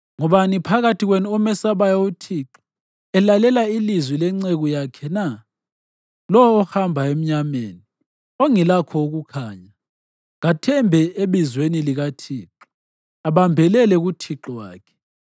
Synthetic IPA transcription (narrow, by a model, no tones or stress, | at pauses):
ŋɔβanipʰaɣatʰiɣwenuɔmɛsaβajaotʰiǁɔ̥ | ɛlalɛlailizwilɛŋ͡ǀeɣujakʰɛna | lɔwɔːxambʱaem̩ɲamḛni | oŋilakʰɔuɣukʰaːɲa | ŋatʰɛmbʱɛeβizweniliɣatʰiːǁɔ | aβambʱɛlɛlɛɣutʰiǁɔwa̰ːkʰɛ̥